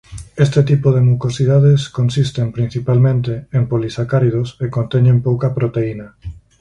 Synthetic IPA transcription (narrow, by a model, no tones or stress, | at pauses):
est̪et̪ipoð̞emukosiðaðeskonsist̪empɾĩn̟θipalmẽnt̪eːmpolisakaɾiðosekõnt̪ɛɲẽmpowkɐpɾot̪einɐ